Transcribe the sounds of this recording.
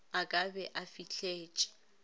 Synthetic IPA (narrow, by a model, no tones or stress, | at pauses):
akʼabɛʔafit͡ɬʰʼeːt͡ʃʼɛ̥